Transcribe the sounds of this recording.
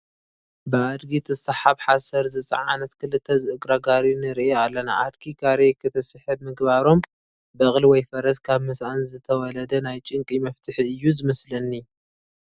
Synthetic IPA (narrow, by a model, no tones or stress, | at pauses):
bɨad̪ɡit̪ʰɨsɐħaβħasɐɾzɨt͡sʼɐ̰ʕa̰nɐt̪kʰɨlɨt̪ʰːɐzɨʔɨɡɾaɡaɾinɨɾiʔealːɐna̰ʔad̪ɡiɡaɾekʰɨt̪ʰɐsɨħɨbmɨɡbaɾo̞m | bɐχʼliwɔjfɐɾɐskʰaβmɨsʔanzɨt̪ʰɐwɔlɐd̪ɐnajt͡ʃʼɨŋkʼimɐft̪ʰɨħiɨjːuzɨmɐslɐnːi